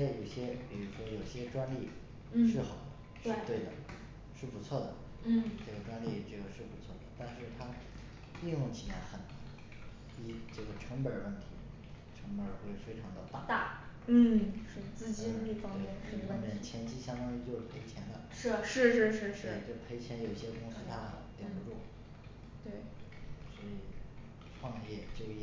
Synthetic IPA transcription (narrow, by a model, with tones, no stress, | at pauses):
ɛ˥jo˨˩ʊɕjɛ˥pi˨˩ɻu˧˥ʂwɔ˥jo˨˩ʊɕjɛ˥ʈ͡ʂwa˥nli˥˧˥ | ʂɻ̩˥˩xɑ˨˩ʊʊd̪ə˦ʂɻ̩˥˧˩t̪we˥˩ɪd̪ə̰˩ | ʂɻ̩˥˩pu˧˥t͡sʰwɔ˥˩d̪ə̰˩ | n̩˥˩ʈ͡ʂɤ˥˩ɡə˩ʈ͡ʂwa˥nli˥˧ʈ͡ʂɤ˥˩ɡə˩ʂɻ̩˥˩pu˧˥t͡sʰwɔ˥˩d̪ə˩t̪a˥˧nʂɻ̩˥˩t̪ʰa˥ | i˥˧njʊ˥˩ŋt͡ɕʰi˨˩la˧˥ɪxə˨˩n˥ | i˥ʈ͡ʂɤ˥˩ɡə˩ʈ͡ʂʰɤ˧˥ŋpə˨˩˥wə˥˩nt̪ʰi˧˥ | ʈ͡ʂʰɤ˧˥ŋpə˨˩xwe˥˩ɪfe˥ɪʈ͡ʂʰɑ˧˥ŋd̪ə˧t̪a˥˩t̪a˥˩n̩˥˩ʂɻ̩˥˩t͡sɹ̩˥˩t͡ɕi˥˧˥li˥˩fɑ˥ŋmjɛ˥˩n̩˥˧ə˥˧mjɛ˥˩nt͡ɕʰjɛ˧˥nt͡ɕʰi˥ɕjɑ˥ŋt̪ɑ˥ŋi˥t͡ɕjo˥˧ʊʂɻ̩˥˩pʰe˧˥ɪt͡ɕʰjɛ˧˥nd̪ə˧ʂɻ̩˥˩ʂɻ̩˥˧ʂɻ̩˥˩˧ʂɻ̩˥˩ʂɻe˥˧˩ʈ͡ʂɤ˥˩ə˩pʰe˧˥ɪt͡ɕʰjɛ˧˥njo˨˩ʊi˥˩ɕjɛ˥kʊ˥ŋsɹ̩˥t̪ʰa˥˩t̪ju˧˥ʈ͡ʂu˥˩ | t̪we˥˩ɪswɔ˧˥i˨˩ | ʈ͡ʂʰwɑ˥˧ŋjɛ˥˩t͡ɕjo˥˧ʊjɛ˥˩